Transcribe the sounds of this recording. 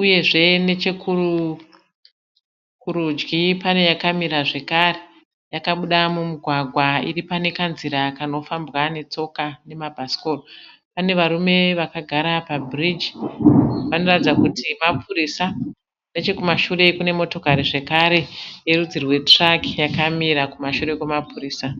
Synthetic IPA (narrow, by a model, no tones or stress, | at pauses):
uje̞ʐe̞ne̞t͡ʃekʰuru | kuɾud͡ʒɡipane̞jakamiɾaʐe̞kare | jakaɓuɗamumuɡʱwaɡʱwaḭripane̞kanziɾakano̞fambwane̞t͡so̞kane̞mabʱasi̥ko̞ropane̞ʋaɾume̞ʋakaɡʱaɾapabʱrid͡ʒi̥ | ʋano̞ratid͡zakutimapʰuɾisa | ndet͡ʃe̞kumaʃure̞kune̞mo̞to̞kaɾiʐe̞kaɾe̞je̞rud͡zirwe̞trakjakamiɾakumaʃure̞kwemapuriːsa